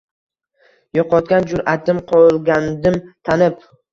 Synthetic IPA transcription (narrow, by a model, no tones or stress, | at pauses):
jɒqɒt̪̚kʲand͡ʒʊɾat̪ɪmqʰɒlˠɡʲand̪ɪmt̪ʰanɪp